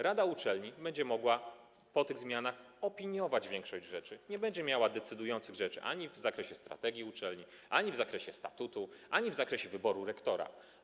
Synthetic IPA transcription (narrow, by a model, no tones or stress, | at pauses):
ɾad̪aut͡ʂɛlɲibɛɲd͡ʑɛmɔɡwa | pɔt̪ɘɣzmʲjanaxɔpʲiɲjɔvad͡ʑvʲjɛ̃ŋkʂɔʑd͡ʑʐɛt͡ʂɘɲɛbɛɲd͡ʑɛmʲjawad̪ɛt̪sɘd̪ujɔnt̪sɘɣʐɛt͡ʂɘ̰ʔa̰ɲivzakɾɛɕɛst̪ɾa̰t̪ɛɡʲiut͡ʂɛlɲi | ʔaɲivzakɾɛɕɛst̪at̪ut̪uʔaɲivzakɾɛɕɛvɘbɔɾuɾɛkt̪ɔɾa̰